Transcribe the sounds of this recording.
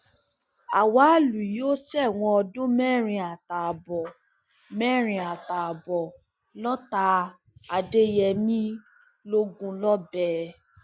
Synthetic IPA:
a˨wa˨˦lu˨jo˦sɛ˦˨w̃ɔ̃˧ɔ˧dũ˦mɛ˦˨ɾ̃ĩ˧a˨ta˨a˨bɔ˨ | mɛ˦ɾ̃ĩ˧a˨ta˨a˨bɔ˨ | lɔ˦ta˧ | a˨de˦jɛ˧mĩ˦ | lo˦ɡũ˧lɔ˦bɛ˦

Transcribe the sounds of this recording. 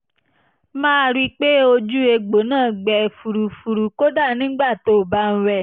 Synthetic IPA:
mãː˦˧ɾi˦k͡pe˦o˧d͡ʒu˦e˧ɡ͡bo˨˦nãː˦˨ɡ͡bɛ˨fu˨ɾu˨fu˧ɾu˨ko˦da˦˨nĩ˨˦ɡ͡ba˦˨to˦˨ba˦n̩˧ɾɛ˧˨

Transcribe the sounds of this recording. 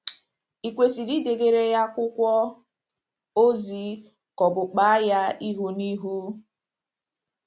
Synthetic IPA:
i˨kʷe˨si˨di˦de˨ɡe˨ɾe˦ja˦kʷʊ˦kʷɔ˦ | o˦zi˨ | kɔ˨bʊ˨k͡pa˦a˦ja˦i˦ɦu˦ni˦ɦu˦

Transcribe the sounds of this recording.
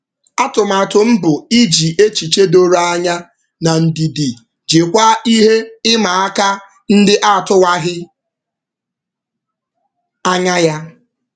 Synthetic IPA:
a˦tʊ˨ma˨tʊ˨m̩˦bʊ˨i˦d͡ʒi˨ʔe˦t͡ʃi˨t͡ʃe˦do˦ɾa˦a˦ɲa˦ | na˨n̩˨di˨di˨ | d͡ʒe˨kʷa˦i˦ɦe˦ɪ˦ma˨a˦ka˦ | n̩˦dɪ˦ʔa˦˨tʊ˦wa˦ɦɪ˦ | a˦ɲa˦ja˦

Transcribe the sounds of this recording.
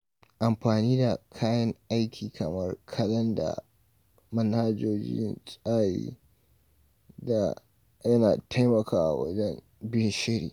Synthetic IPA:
ʔa˨mɸaː˨niː˦da˨kʰaː˦jɐ˦ŋʔa˦jkʲʰiː˨kʰɐ˨mɐ˦rkʰɐ˦lɐ˦nda̰˨ | mɐ˦nhaː˦d͡ʒoː˦d͡ʒɪ̰˦ɪ̰˦nt͡ʃʼaː˦jḭː˦ | da˨ | jɐ˦na̰ː˨tʰa˦jmɐ˨kʰaː˨ʔa̰˨wɐ̰˦d͡ʒɛ˦n | bɪ˦nʃɪ˦ɽḭː˨

